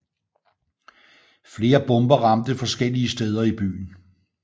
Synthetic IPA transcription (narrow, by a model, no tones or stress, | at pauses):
fle̝ːɐb̥ɔ̽mb̥ɐʁɑ̈md̥əfɒ̽sɡ̥el̰iəsd̥eːð̞ˠɐib̥y̰ːn̩